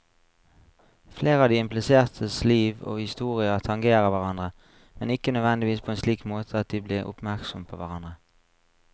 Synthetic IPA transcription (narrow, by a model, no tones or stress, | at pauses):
fleːʁəɑːʋd̪iːɪmplɪseːʁt̪ʰəsliːʋo̰ːhɪst̪uːʁɪɑt̪ʰɑŋɡeːʁəʋæʁɑnd̪ʁə | mɛnɪkənøːd̪ʋɛnd̪ɪʋiːspʰoːeːnsliːkmoːt̪ʰəɑt̪̚d̪iːbliːʁʊ̰pmæʁksɔmpʰo̰ːʋæʁɑnd̪ʁə